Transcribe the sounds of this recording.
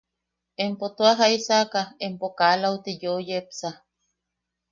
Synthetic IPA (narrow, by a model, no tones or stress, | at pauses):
empot̪oaɦaisakaempokalaut̪ijojepsa